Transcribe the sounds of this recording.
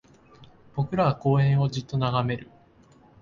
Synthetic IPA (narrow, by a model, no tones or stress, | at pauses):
b̥o̞kɯ̟ɾaβako̞ːẽ̞ɰ̃o̞d͡ʑit̪ːo̞naɡame̞ɾɯ̟